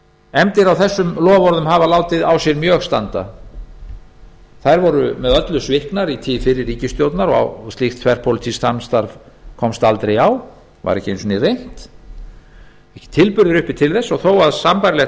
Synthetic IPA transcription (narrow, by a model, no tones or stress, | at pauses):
ɛmt̪ɪɾawθɛsːʏmlɔːvɔɾðʏmɦavalaːwt̪ɪðawsjɛɾmjœːxst̪a̰nt̪a̰ | θajɾvɔɾʏmɛðœt̪lʏsvɪhknaɾit̪ʰiːfɪɾɪɾːiːcɪst̪jowt̪naɾɔa̰wst̪lɪxt̪ʰvɛr̥pʰolɪt̪ʰist̪amst̪aɾv | kʰɔmst̪alt̪ɾejaw | va̰ɾɛhcɪejnsɔnirejn̥t̪ | ɛhcɪ̥t̪ʰɪlpʏɾðɪɾʏhpɪ̥t̪ʰɪlθɛsːɔɣθowaðsampajɾlɛx